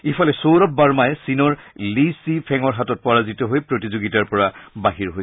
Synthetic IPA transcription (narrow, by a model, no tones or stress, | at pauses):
ipʰɔlɛsowɹɔp̚baɹmajsinɔɹlisipʰɛŋɔɹɦatɔt̚pɔɹazitɔɦojpɹotizoɡitaɹpɔɹabaɦiɹɦoj